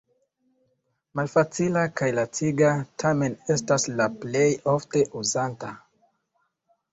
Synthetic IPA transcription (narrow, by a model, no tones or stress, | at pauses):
malfat͡silakajlat͡siɡatʰame̞ne̞staslaple̞jo̞fte̞ʔuzanta